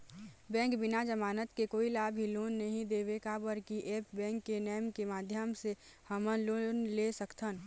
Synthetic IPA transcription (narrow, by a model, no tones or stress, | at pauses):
bɛ̃ːŋkbɪnad͡ʒəmaːnət̪kekoːilaːbʱiloːnːɐɦĩd̪eːʋekabəɾkiʔeːpbɛ̃ːŋkːenɛjmkemaːd̪ʱjəmsehəmənloːnlesəkt̪ʰən